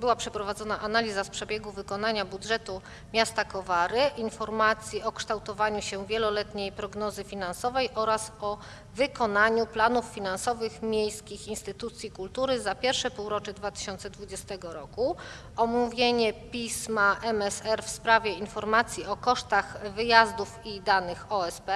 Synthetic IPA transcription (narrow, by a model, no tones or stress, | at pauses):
bɘwapʂɛpɾɔvad̪zɔnaʔanalʲizaspʂɛbʲjeɡuvɘkɔnaɲabudʐɛt̪u | mʲjast̪akɔvaɾɘʔinfɔɾmat̪sʲjiɔkʂt̪awt̪ɔvaɲuɕɛvʲjɛlɔlɛt̪ɲejpɾɔɡnɔzɘfʲinansɔvɛjʔɔɾasɔ | vɘkɔnaɲuplanuffʲinansɔvɘxmʲjejskʲixinst̪ɘt̪ut̪sʲjikult̪uɾɘzapʲjɛɾfʂɛpuwɾɔt͡ʂɛd̪vat̪ɘ̥ɕɔnt̪sɛd̪vud͡ʑɛst̪ɛɡɔɾɔku | ɔmuvʲjeɲɛpʲismaʔɛmɛsɛɾfspɾavʲjɛinfɔɾmat̪sʲjiɔkɔʂt̪axvɘjazd̪ufid̪anɘxɔɛspɛ